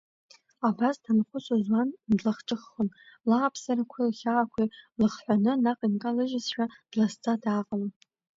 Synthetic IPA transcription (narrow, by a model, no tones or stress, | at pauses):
abasdanχʷʊt͡sʷʼozwandlaχʈ͡ʂʼɨχːənlaːpʰsarakʷʰalχʲaːkʷʰilɨχħʷanɨnaqʼinkʼalɨʒɪsʃᶣad̥last͡sʼadaːqʼala